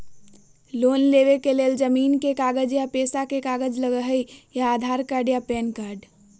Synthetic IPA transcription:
loːnleːʋekeleːld͡ʒəmiːnkekaːɡəd͡ʒjapeːsakekaːɡəd͡ʒləɡəɦəijaːd̪ʱaːɾkaːɾɖjapɛːnkaːɾɖ

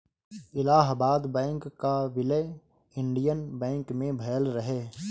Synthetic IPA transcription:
ɪlaːɦbaːd̪bɛ̃ːŋkːaʋɪləj | ɪ̃ɳɖijənbɛ̃ːŋkmẽbʱɛːəlɾəɦeː

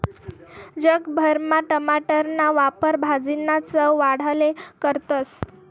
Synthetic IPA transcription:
d͡ʑəkbʱəɾmaʈəmaʈəɾnaʋapəɾbʱad͡zinat͡səʋaɽ̤alekəɾt̪əs

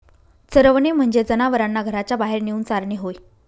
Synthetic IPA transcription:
t͡səɾəʋnem̤əɳd͡ʑed͡zənaʋəɾanːaɡʱəɾat͡ɕjabaɦeɾniuːnt͡saɾɳeɦoj

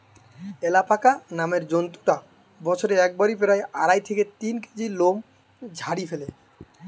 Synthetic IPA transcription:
elapakanameɾd͡ʑont̪uʈa | bɔt͡ɕʰoɾeɛk̚baɾipeɾajaɾajt̪ʰeket̪inke̥d͡ʑilom | d͡ʑʱaɽifele

